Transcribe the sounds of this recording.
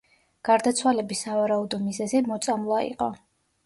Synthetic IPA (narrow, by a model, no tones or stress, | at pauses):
ɡ̥aɾd̪at̪sʰwalɛbisavaɾaud̪ɔmizɛzimɔt̪sʼamlˠaḭqʼɔ